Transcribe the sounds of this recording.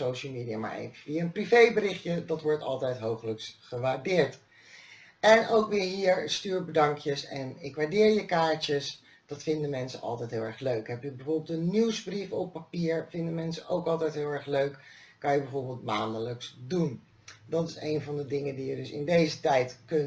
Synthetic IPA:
sowʃəl̩ˠmiːdijaːma̰ɹḛjvəfijaənprivejbəɾɪχjədɑtʋɔɹtɑ̰lˠtɛjtɦowχələksχəʋaːɹdɪːɹt | ɛnowkʋɪːɹɦiːɹstyːɹbədɑŋkjəsɛnɪkʋaːɹdɪːɹjəkaːtəs | d̥ɑtfɪndəmɛnsə̰nɑ̰lˠtɛjtɦɪːlˠɛɹχløɥkɦɛpjəbəvoːɹbɪlˠtənːiwzbrifɔpːapiːɹvɪndəmɛnsəʔowkɑlˠtɛjtɦɪlˠɛɹχløɥk | kɑnjəbəvoːɹbɪːlˠtmaːndələksdun | dɑtɪsejnvɑndədɪŋəndijədɵsɪ̰ndejzətɛjtkɵn

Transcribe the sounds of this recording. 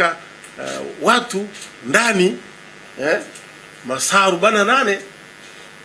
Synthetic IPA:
a | watu | ndani | ɛ | masaɾuɓanananɛ

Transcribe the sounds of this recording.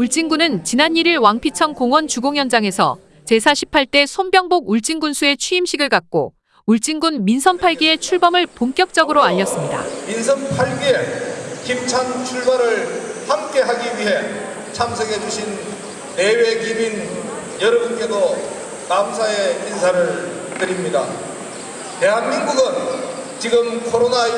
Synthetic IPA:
uɭt͡ɕ͈iŋɡunɯnt͡ɕinaɲiɾiɭwaŋpʰit͡ɕʰʌnkoŋwʌnt͡ɕuɡoŋjʌnd͡ʑaŋe̞sʰʌ̰ | t͡ɕe̞sʰaɕʰi̥pʰaɭt͈e̞sʰonbjʌŋboɡ̚uɭt͡ɕ͈iŋɡunsʰue̞t͡ɕʰɥiimɕʰiɡɯɭkak̚k͈o̰ | uɭt͡ɕ͈iŋɡunminsʰʌnpʰaɭɡie̞t͡ɕʰuɭbʌmɯɭpoŋk͈jʌk̚t͡ɕ͈ʌɡɯɾoaʎːʌs͈ɯmɲida̰mins̬ʰʌnpʰaɭɡiekimt͡ɕʰant͡ɕʰuɭbaɾɯɭhamk͈e̞ɦaɡiɥiɦe̞ | t͡ɕʰamsʰʌɡe̞d͡ʑuɕʰinː | e̞wekibin | jʌɾʌbunk͈e̞do | namsʰaeinsʰaɾɯɭ | tɯɾimɲida | t̪e̞ɦanminɡuɡɯnt͡ɕiɡɯmkʰoɾona

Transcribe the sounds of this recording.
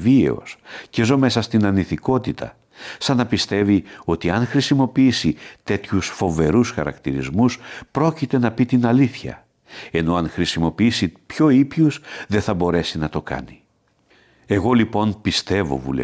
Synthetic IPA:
viḛo̞̰sce̞zo̞me̞sɐst̪inɐniθiko̞t̪it̪ɐ̰ | sɐnɐpist̪e̞vio̞t̪iɐŋxɾisimo̞piisit̪e̞t̪çusfo̞ve̞ɾusxɐ̰ɾɐ̰kt̪iɾizmuspɾo̞cit̪e̞nɐpit̪inɐliθçɐ̰ | e̞no̞ɐŋxɾisimo̞piisipço̞ipçusðeθɐbo̞ɾe̞sinɐt̪o̞kɐ̰ni | e̞ɣo̞lipo̞npist̪e̞vo̞̰vṵl̰

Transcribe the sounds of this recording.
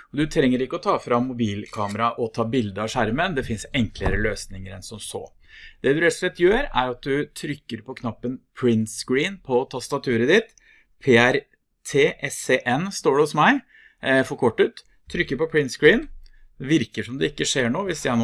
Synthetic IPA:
ɔd̪ʉt̪ʰɾɛŋːəɾɪkːəɔt̪ʰɑːfɾɑmːʊbiːlkʰɑːməɾɑʔɔt̪ʰɑːbɪld̪əɾɑʂæɾmənd̪ɛfɪnsɛŋkləɾəløːsnɪŋəɾɛnsɔmso̰ː | d̪̥ɛd̪ʉɾɛt̪ːʊ̥slɛt̪ːjøːɾæ̰ɾɑt̪̚d̪ʉt̪ʰɾʏkːəɾpʰɔkʰnɑpːənpʰɾɪnsɡɾiːnpʰɔːt̪ʰɑst̪ɑt̪ʰʉːɾəd̪ɪt̪ | pʰeːæɾ | t̪ʰeːʔɛseʔɛnːst̪oːɖɛɔsmæɪ | fɔɾkʰɔʈːʉːt̪ʰː | ɾʏkːəɾpɔpʰɹɪnt̪sɡɹiːn | d̪ɛʋɪɾkəʂɔmd̪ɛɪkːəʂeːɳoːʋɪsjæɪnoː

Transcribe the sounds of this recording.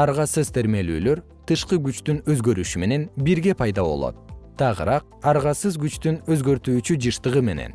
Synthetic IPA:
ɑɾʁɑsɯzt̪ʰe̞ɾme̞ly̰ːløɾ | t̪ʰɯʃqɯɡyt͡ʃt̪ynøzɡø̞ɾyʃyme̞ne̞nbiɾɡe̞pʰɑjd̪ɑβo̞̰lˠo̞̰t̪̚t̪ːɑʁɯɾɑq̚ | ɑɾʁɑsɯzɡyt͡ʃt̪ynøzɡø̞ɾt̪yːt͡ʃyd͡ʒɯʃt̪ɯʁɯme̞ne̞̰n

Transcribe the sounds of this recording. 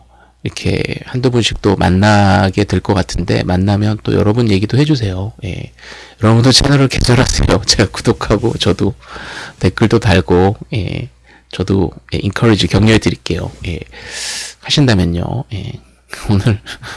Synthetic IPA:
iɾʌkʰe̞̰handobunɕʰi̥k̚t͈oma̰nːaɡe̞tɯɭk͈ʌk͈atʰɯnde̞̰manːamjʌnt͈o̰jʌ̰ɾʌbunje̞ɡidohe̞d͡ʑusʰe̞joje̞̰ | jʌɾʌbundot͡ɕʰenʌɾɯɭkḛd͡ʑʌɾɦasʰḛjot͡ɕeɡaku̥dokʰaɡo̰t͡ɕʌdote̞k͈ɯɭdotaɭɡoje̞̰ | t͡ɕʌdo̰jḛʔinkʰʌɾid͡ʑikjʌŋɲuɦedɯɾik͈e̞jo̰je̞̰ | haɕʰindamjʌɲːo̰je̞̰ | onɯɭ

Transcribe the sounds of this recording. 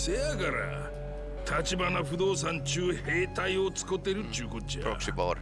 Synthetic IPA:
seaɡaɾa̰ | t̪ʰat͡ɕibanaɸɯ̟d̪o̞ːs̬ãɲt͡ɕɨːhe̞ːt̪aio̞t͡sɨ̥kɯt̪ːe̞ɾɯ̟t̪ːɯːkot͡ɕiɾ̰bo

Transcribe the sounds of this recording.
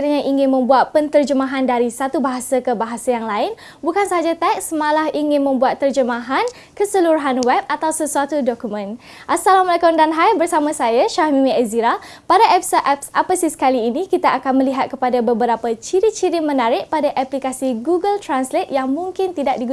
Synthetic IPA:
ɾiɲãʔiŋɪ̃nmə̃mbuat̪̚pənt̪ərd͡ʒəmãɦandaɾisat̪ubaɦasakəbaɦasajaŋlaɪn | bukansaɦad͡ʒat̪ɛksmãlahiŋɪ̃nmə̃mbuat̪ːərd͡ʒəmãɦan | kəsəluɾuɦanwɛb̚at̪awsəsuat̪udɔkumə̃n | ʔasalamalakʊmdanɦajbərsamãsajaʃahmĩmĩəziɾapadaʔɛpsaʔɛpsapasisə̥kaliːnĩkit̪aakanməliɦat̪̚kəpadabəbəɾapat͡ʃiɾit͡ʃiɾimənaɾɪʔ̚padaʔaplikasiɡuɡəlt̪ɾanslet̪̚jaŋmũŋkɪnt̪idaʔ̚diɡu

